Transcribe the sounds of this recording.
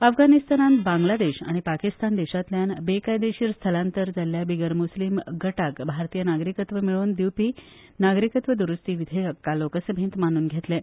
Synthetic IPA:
əfɡanist̪ananbãŋɡlad̪eɕa̰ɽ̃ipakist̪and̪eɕat̪ljanbekajd̪eɕiːɾst̪ʰəlãnt̪əɾd͡zalːjabiɡəɾmuslimɡəʈakbʱaɾt̪iːjənaɡɾikət̪ʋəmiɭoːnd̪iwpiː | naɡɾikət̪ʋəd̪uɾust̪iːʋid̪ʱeəkːalokəsəbʱĩːnt̪mañuːnɡʱet̪lẽ

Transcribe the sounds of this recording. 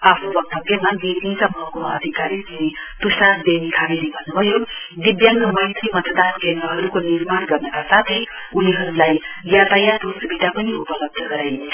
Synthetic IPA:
apʰubʌk̚t̪ʰʌɡemaɡit̪insʌbʱʌkoʌ̰d̪ʱikaɾid͡ziit̪usad̪emikʰabidibʱʌnːubʱʌjod̪id̪jaŋkamajt̪ʌjmʌt̪ʰəd̪ankend̪ɾʌɦʌɾukoniɾmanɡʌɾnʌkasat̪ʰi | uniɦʌɾulajjat̪ajat̪usbʱiʈapʌniupʌlʌb̚d̪ʱʌɡʌɾaj

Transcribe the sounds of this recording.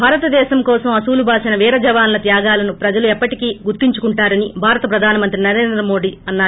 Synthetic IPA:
bʱaːɾɐt̪ɐd̪ɛːʃɐmkɔːsɐmɐsuːlubʱaːʂɐnɐʋiːɾɐd͡ʒɐʋaːnlɐt̪jaːɡaːlɐnupɾɐd͡ʒɐluɛpːɐʈikiːɡuɾt̪iɲt͡ʃukuɳʈaːɾɐnibʱaːɾɐt̪ɐpɾɐd̪ʱaːnɐmɐnt̪ɾinɐɾe̞ːnd̪ɾɐmo̞ːɖiɐnːaː

